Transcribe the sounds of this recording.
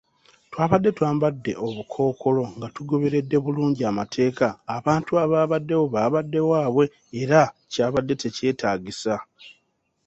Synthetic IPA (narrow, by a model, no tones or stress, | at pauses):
twaːβadːe̞twaːmbadːe̞̰ʔo̞βukʰo̞ːkʰo̞lo̞ŋɡatuɡo̞βe̞ɾe̞dːe̞βuluːɲɟiamatʰe̞ːkaːβaːntuaβaːβadːe̞wo̞βaːβadːe̞waːβwe̞ː | ɾacaːβadːe̞te̞ce̞ːtʰaːɡisa